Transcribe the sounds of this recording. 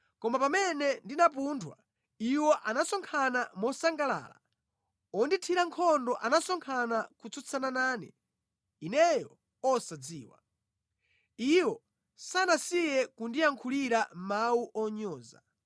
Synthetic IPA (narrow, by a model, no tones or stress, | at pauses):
kɔmapamɛnɛndinapuntʰwa̰ | iwɔʔanasɔŋkʰanamɔsaŋɡala̰ːla̰ | ɔnditʰiɾaŋkʰɔndɔʔanasɔŋkʰanakut͡sut͡sʰananaːnɛ̰ | inɛjɔ | ɔsad͡ziːwa̰ | iwɔ | sanasijɛkundijaŋkʰuliɾam̩mauʔɔɲɔːza̰